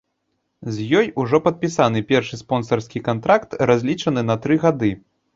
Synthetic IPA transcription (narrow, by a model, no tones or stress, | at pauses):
zʲjɔjuʐɔpɐt̪̚pʲisanɨpʲɛrʂɨspɔnsɐrskʲikant̪ɾakt̪razʲlʲit͡ʂɐnɨnɐt̪ɾɨɣad̪ɨ